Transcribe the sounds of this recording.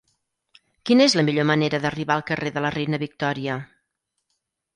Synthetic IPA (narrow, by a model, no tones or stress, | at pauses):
kinəezləmiʎoməneɾəðəriβalˠkəreðələrejnəβik̚t̪ɔɾiə